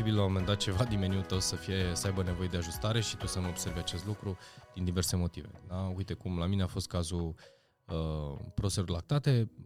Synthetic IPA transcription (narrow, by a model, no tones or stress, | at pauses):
ibilawmome̞nd̪at̪̚t͡ʃe̞vad̪inmeniut̪əwsəfije̞səajbəne̞vo̞je̞d̪eaʒust̪aɾe̞ʃit̪usəməobse̞ɾvjat͡ʃe̞st̪lukɾud̪̥ind̪ive̞rse̞mo̞t̪ive̞̰d̪aujt̪e̞kumlamine̞afo̞st̪̚kazu | əpɾoseorlak̚t̪at̪e̞